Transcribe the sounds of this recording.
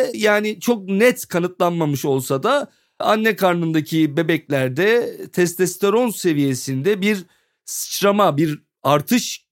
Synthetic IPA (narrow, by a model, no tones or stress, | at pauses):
jaːnit͡ʃʰo̞k̚nɛt̪kʰanɯt̪lˠanmamɯʃo̞lˠsad̪a | a̰nːɛkʰaɾnɯnd̪acʰibe̞bɛclʲæɾd̪ɛt̪ʰɛst̪ɛst̪ʰeɾo̞nse̞vije̞sind̪ɛbiɾ | sɯ̥t͡ʃɾamabiɾ | aɾt̪ʰɯʃ